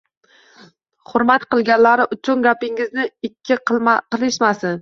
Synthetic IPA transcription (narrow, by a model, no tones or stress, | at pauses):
χʊɾmat̪qɨlˠɡʲanlaɾɪʔʊt͡ʃʰʊnɡʲapɪŋɪznɪɪkʲʰːɪqɨlˠɪʃmasɪn